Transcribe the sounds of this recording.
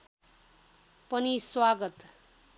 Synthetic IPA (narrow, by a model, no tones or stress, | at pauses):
pʌniswaɡʌt̪